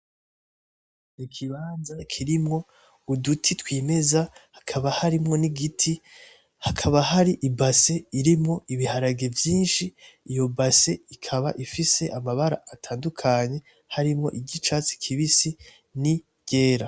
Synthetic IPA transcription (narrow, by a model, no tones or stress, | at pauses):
nikʰiβaːnzakʰiɾimŋo̞ | udutʰitwiːme̞zahakʰaβahaɾimŋo̞niɡitʰi | hakʰaβaɦaɾiʔibase̞iɾimŋo̞ʔiβihaɾaɡe̞vjiːnʃiːjo̞base̞ikʰaβaʔifise̞ʔamaβaɾa̰atʰaːndukʰaɲe̞ | haɾimŋo̞̰ʔiɟit͡ʃaːt͡si̥kʰiβisi | ni | ɟ̥e̞ːɾa